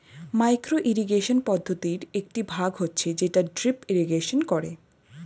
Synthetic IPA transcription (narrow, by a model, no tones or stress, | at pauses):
majkɾoʔiɾiɡeʃonpɔd̪ʱːot̪iɾek̚ʈibʱaɡɦotːɕʰed͡ʑeʈaɖɾipiɾiɡeʃonkɔɾe